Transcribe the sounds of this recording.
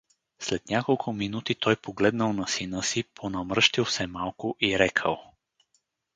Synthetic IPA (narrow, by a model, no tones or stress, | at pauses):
slɛt̪nʲakolˠkʰʊminut̪it̪ʰɔjpoɡlɛd̪nəlˠnɐsinəsipʰonɐmɾɤʃt̪ilˠsɛmalˠkʊʔiɾɛkʰə̰lˠ